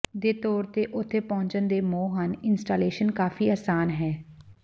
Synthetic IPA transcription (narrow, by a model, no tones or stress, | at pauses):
d̪eːt̪ɔːɾt̪eːʔʊt̪ʰːeːpɔ̃ːɲt͡ʃənd̪eːmoːɦənɪnsʈaːleːʃənkaːfiːaːsaːnɦɛː